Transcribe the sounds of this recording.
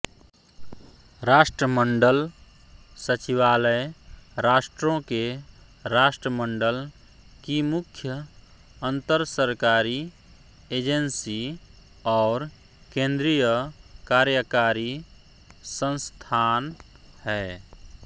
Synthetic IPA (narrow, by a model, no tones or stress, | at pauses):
ɾaːʃʈɾəməɳɖəl | sət͡ʃiʋaːləjɾaːʃʈɾõke | ɾaːʃʈɾəməɳɖəl | kimʊkʰjə | ə̃nt̪əɾsəɾkaːɾi | eːd͡ʒənsi | ɔːɾ | kẽːnd̪ɾijəkaːɾjəkaːɾi | sə̃nst̪ʰaːn | hɛː